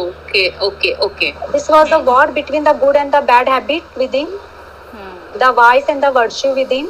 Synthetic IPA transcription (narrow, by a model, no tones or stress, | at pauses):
oːkeokeʔoːked̪ɪsʋɔːzd̪əʋɔːɾbɪʈʋĩːnd̪əɡʊɖɛ̃ɳɖd̪əbæɖhæbɪʈ̚ʋɪd̪ɪ̃n | d̪əʋaɪsɛ̃ɳɖd̪əʋəɾʃuʋɪd̪ɪ̃n